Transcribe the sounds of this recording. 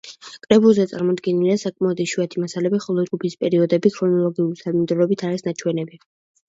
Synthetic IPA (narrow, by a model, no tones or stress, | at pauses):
kʼɾɛbulˠzɛt̪sʼaɾmɔd̪ɡɛniliasakʼmaɔd̪iʃuat̪ʰimasalɛbiχɔlˠɔd͡ʒɡupʰispʼɛɾiɔd̪ɛbikʰɾɔnɔlˠɔɡiuɾit̪ʰad̪mɛd̪ɾɔɾɔbit̪ʰaɾisnat͡ʃʰwɛnɛbi